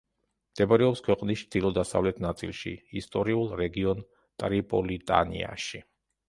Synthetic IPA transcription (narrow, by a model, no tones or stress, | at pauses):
md̪̥ɛbɾɛɔpskʰwɛqʼnist͡ʃʰd̪̥ilˠɔd̪asa̰vlɛt̪ʰnat̪sʼḭlˠʃḭist̪ʼɔɾiulˠɾɛɡiɔn | t̪ʼɾipʼɔlit̪ʼa̰nḭa̰ʃi